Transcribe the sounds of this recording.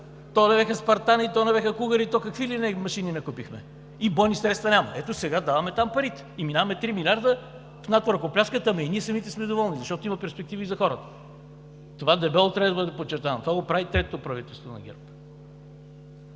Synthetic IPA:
t̪ɔnɛvɛxəspɐɾt̪anit̪ɔnɛvɛxəkuɣəɾit̪ɔkəkvilinɛmɐʃininɐkupixmɛ̰ | ibɔjnisɾɛt̪st̪vɐnʲamɐ̰ɛt̪osɛɡad̪avɐmɛt̪ampɐɾit̪ɛ̥iminavɐmɛt̪ɾimilʲaɾd̪ə | fnat̪voɾkoplʲaʃkət̪əmɛiniɛsɐmit̪ɛsmɛd̪ovɔlˠnizɐʃt̪ɔt̪oimɐpɛɾspɛk̚t̪ivizɐxɔɾət̪ə̥ | t̪ovad̪ɛbɛlˠot̪ɾɛd̪bəd̪ɛd̪ɛpot͡ʃːɛɾt̪avɐmt̪ovaɡopɾavit̪ɾɛt̪oopɾɐvit̪ɛlˠst̪vonɐ̰ɡ̟ʲɛ̰ɾp

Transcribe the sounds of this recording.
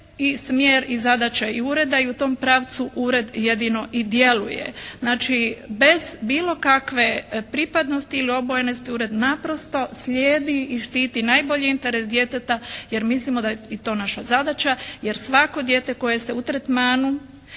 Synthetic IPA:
ismjeɾizad̪at͡ɕaiuɾe̞d̪aiut̪o̞ːmpɾaːʋt̪suʔuɾe̞d̪jed̪ino̞ʔid̪je̞lujḛznaːt͡ʃibe̞zbiːlo̞kakʋe̞pɾipad̪no̞st̪iːlio̞bo̞jenost̪iuɾe̞d̪napɾo̞st̪o̞sʎʲeːd̪iiʃt̪iːt̪inajbo̞ʎiint̪e̞ɾesd̪je̞ːt̪et̪ajeɾmislimo̞d̪ait̪o̞ːnaʃazad̪at͡ʃaje̞ɾsʋako̞d̪je̞ːt̪e̞ko̞jeseut̪ɾet̪maːnu

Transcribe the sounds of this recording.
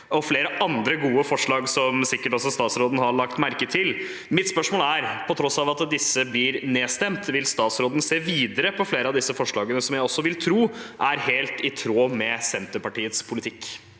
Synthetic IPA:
ɔfleːɾəʔɑnd̪ɾəɡuːəfɔʂɭɑːɡsɔmsɪkːəʈɔs̬ɔst̪ɑːt̪sɾoːd̪n̩hɑɭɑkt̪mæɾkət̪ʰɪl | mɪt̪spœʂmoːlæɾpʰɔt̪ʰɾɔsɑʋɑt̪d̪ɪsːəblɪɾneːst̪ɛmt̪ʋɪlst̪ɑːt̪sɾoːd̪n̩seːʋiːd̪əɾəpʰɔfleːɾəɑʋd̪ɪsːəfɔʂɭɑːɡənəsɔmjæɪɔsːɔʋɪlt̪ʰɾuːʔæɾheːlt̪ɪt̪ʰɾoːmɛsɛnt̪əpɑʈiːət̪spʰʊlɪt̪ʰɪkː

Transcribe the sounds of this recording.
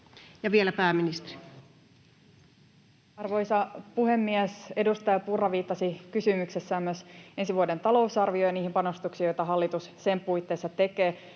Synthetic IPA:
jɑʋielæpæːminist̪eri̥ | ɑrʋo̞jsɑpuhe̞mːiese̞dust̪ɑjɑpurːɑʋiːt̪ːɑsikysymykse̞sːæːmyøse̞nsiʋuode̞nt̪ɑlo̞usɑrʋiojɑniːhimpɑno̞st̪uksijo̞jt̪ɑɦɑlːit̪ussempujt̪ːe̞ːsːɑt̪e̞keː

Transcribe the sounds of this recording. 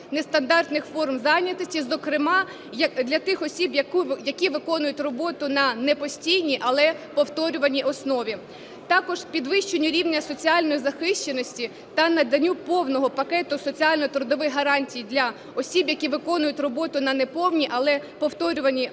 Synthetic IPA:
nest̪ɐnd̪ɑrt̪nɪxfɔrmzɑnʲɐt̪ɪsʲtʲizɔkɾɪmɑ | d̪lʲɐt̪ɪxɔsʲibjjɐkʲiʋɪkɔnʊjʊtʲrɔbɔt̪ʊnɐnɛpɔsʲtʲijnʲiʔɐlˠɛpɔwt̪ɔɾʲʊʋɐnʲiʔɔsnɔʋʲi | t̪ɑkɔʒpʲid̪ʋɪʃt͡ʃenʲʊɾʲiwnʲɐsɔt͡sʲiɑlʲnɔjizɐxɪʃt͡ʃenɔsʲtʲi | t̪ɐnɐd̪ɐnʲupɔwnɔɦɔpɐkɛt̪ʊsɔt͡sʲiɑlʲnɔit̪ɾʊd̪ɔʋɪxɦɐɾɑnʲtʲijd̪lʲɐ | ɔsʲibjɐkʲiʋɪkɔnʊjʊtʲrɔbɔt̪ʊnɐnɛpɔwnʲiʔɐlˠɛpɔwt̪ɔɾʲʊʋɐnʲi

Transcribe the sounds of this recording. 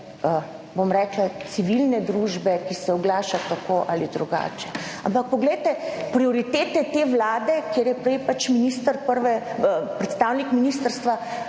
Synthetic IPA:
ə | bomɾɛːklat̪siʋilnɛd̪ɾuːʒbɛkisɛɔɡlaːʃat̪akoʔalid̪ɾuɡa̰ːt͡ʃɛa̰mpak̚pɔɡlɛjt̪ɛpɾioɾit̪eːt̪ɛt̪eːʋlaːd̪ɛkeːɾjɛpɾɛjpat͡ʃminist̪əɾpəɾʋɛpɾɛt̪st̪aːwnikminist̪əɾst̪ʋa

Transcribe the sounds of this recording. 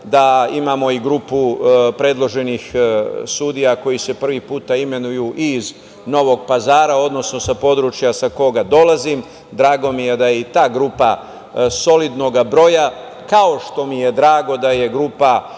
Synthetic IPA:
d̪aimaːmo̞iɡɾuːpupɾe̞d̪lˠo̞ʒe̞nixsud̪ijako̞jise̞pr̩ʋipuːt̪aime̞nujuʔiz | no̞ʋo̞ɡpazaːɾao̞d̪no̞sno̞sapo̞d̪ɾut͡ʃjasako̞ɡad̪o̞lazim | d̪ɾaːɡo̞mije̞d̪ajeit̪aːɡɾuːpa | so̞lid̪no̞ɡabɾo̞ja | kao̞ʃt̪o̞mije̞d̪ɾaːɡo̞d̪aje̞ɡɾuːpa

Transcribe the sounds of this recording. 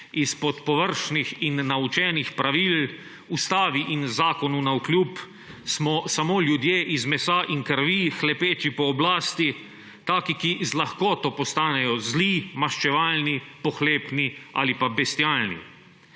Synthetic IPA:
ispɔt̪pɔʋəɾʃnixinːaut͡ʃɛnixpɾaʋiːl | ust̪aːʋiʔinzaːkɔnunauklʲjuːp | smɔsamoːljud̪jeːʔizmɛsaːʔiŋkəɾʋixlɛpeːt͡ʃipɔːblaːst̪i | t̪aːkikizlaxkɔːt̪ɔpɔst̪aːnɛjɔzliːmaʃt͡ʃɛʋaːlnipɔxleːpnia̰ːlipabɛst̪jaːlnḭ

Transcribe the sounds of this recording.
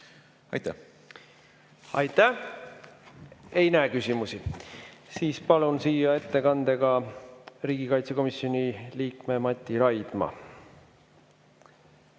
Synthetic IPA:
ɑ̰jt̪æ̰ | ɑjt̪ːˑæ | ejnækysimusi | siːspɑlunsiːjɑe̞t̪ːe̞kɑnd̪̥e̞ɡ̥ɑ | riːɡ̥ikɑjt̪seko̞misjo̞nʲiliːkme̞mɑt̪ʲːˑiɾɑjd̪̥mɑ̰

